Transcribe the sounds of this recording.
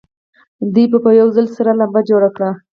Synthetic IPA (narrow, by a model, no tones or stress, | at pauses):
d̪ujbəpəjawzalsaɾalambad͡ʒoɽakɽa